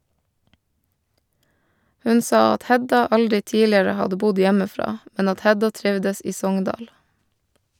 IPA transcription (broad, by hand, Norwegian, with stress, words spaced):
ˈhʉn ˈsɑː ˈɑt ˈhɛdɑ ˈɑldɾɪ ˈtiːlɪɾə ˈhɑdə ˈbʊd ˈjæməˌfɾɑː ˈmɛn ˈɑt ˈhɛdɑ ˈtɾɪʋdəs ˈiː ˈsɔŋndɑːɽ